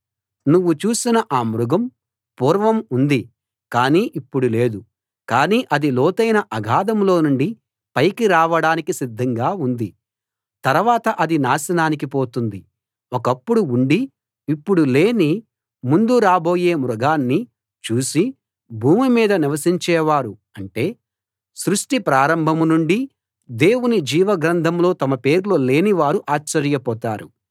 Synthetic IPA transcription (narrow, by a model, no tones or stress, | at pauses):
nuʋːut͡ʃuːsinɐʔaːmɾuɡɐm | puːɾʋɐmund̪i | kaːniːʔipːuɽule̞ːd̪u | kaːniːʔɐd̪ilɔːt̪ɐjnɐʔɐɡʱaːd̪ɐmlo̞ːnuɳɖi | pɐjkiɾaːʋɐɽaːnikisid̪ʱːɐŋɡaːund̪i | t̪ɐɾʋaːt̪ɐʔɐd̪inaːsɐnaːnik̬ipoːt̪und̪i | ɔkɐpːuɽuːɳɖiː | pːuɽule̞ːni | mund̪uɾaːbo̞ːje̞ːmɾuɡaːnːi | t͡ʃuːsi | bʱuːmimiːd̪ɐniʋɐsiɲt͡ʃɛːʋaːɾu | ɐɳʈe̞ː | sɾuʂʈipɾaːɾɐmbʱɐmnuɳɖi | d̪e̞ːwunid͡ʒiːʋɐɡɾɐnd̪ʱɐmlo̞ːt̪ɐmɐpe̞ːɾlo̞ːle̞ːniʋaːɾuʔaːt͡ʃːɐɾjɐpɔːt̪aːɾu